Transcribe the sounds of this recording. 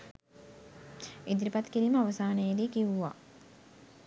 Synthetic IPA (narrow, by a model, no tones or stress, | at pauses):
id̪iɾipat̪kiɾiːməaʋəsaːnəjəd̪iːkiʋuʋa̰ː